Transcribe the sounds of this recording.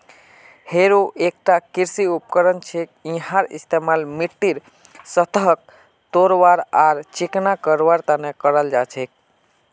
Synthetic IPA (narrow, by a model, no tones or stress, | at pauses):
heɾoʔek̚ʈakiɾsiupkəɾənt͡ʃʰekĩɦaɾḭst̪emalmiʈːiɾ | sət̪əɦək̚ | t̪oɾʋaɾaɾt͡ʃiknakəɾʋaɾt̪anekəɾəld͡ʒat͡ʃʰek̚